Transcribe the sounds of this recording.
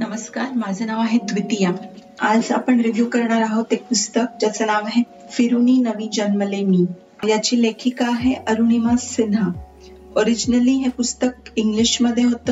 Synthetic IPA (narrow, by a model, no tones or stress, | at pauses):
nɐməskaːɾmaːzɐnaʋaɦẽd̪ʋɪt̪ija | aːsa̰ːpəɳɾɪʋjuːkɐɾɳ̃aɾaɦot̪ek̚pʊst̪ək̚d͡ʒɐsɐnaːʋɦɛ̃ | fɪɾuninɐʋid͡ʒɐnməlemĩː | jat͡ʃileːkʰikaɦeʔɐɾunimãsɪna | oːɾɪd͡ʒnəliɦɛ̃pʊst̪ək̚ɪŋɡlɪʃmɐd̪ʱeɦot̪